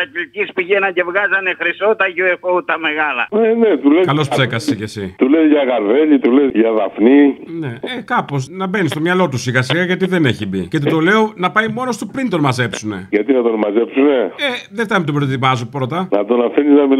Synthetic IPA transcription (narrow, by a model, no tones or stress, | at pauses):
ɐcilcispiʝenɐɟe̞vɣɐzɐnexɾisot̪ɐʝuexout̪ɐmeɣɐlɐenet̪ulekɐlo̞spse̞kɐsecesit̪ulezʝɐɣɐɾve̞ʎit̪ulezʝɐðɐfnine̞ekɐpo̞snɐbe̞nist̪o̞mɲɐlo̞t̪usiɣɐsiɣɐʝɐt̪iðe̞ne̞çibḭcet̪it̪o̞le̞o̞nɐpɐimo̞nost̪upɾint̪o̞nmɐze̞psune̞̰ʝɐt̪inɐt̪o̞nmɐzepsune̞eðeft̪ɐmet̪opɾot̪imɐzupɾo̞t̪ɐnɐt̪o̞nɐfiniznɐmi